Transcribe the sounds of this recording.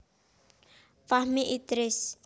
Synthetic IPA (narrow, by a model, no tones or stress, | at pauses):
fahmiʔid̪ɾis